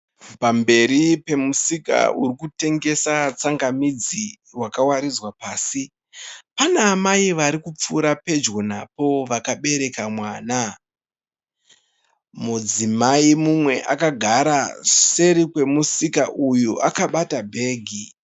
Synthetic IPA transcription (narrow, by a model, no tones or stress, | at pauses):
pambe̞ɾipe̞musika̰uɾikute̞ŋɡe̞sat͡saŋɡamid͡zi | wakawaɾid͡zwapaːsi | panaːmaiʋaɾikup͡fuɾape̞d͡ʒɣo̞napo̞ʋakaɓe̞ɾe̞kamwaːna | mud͡zimaimumwe̞ʔa̰kaɡʱaɾase̞ɾikwe̞musikaʔujuʔakaɓatabʱe̞ːɡʱi